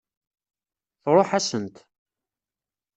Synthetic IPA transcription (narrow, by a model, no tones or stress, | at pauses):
θɾˤoħæsənt̪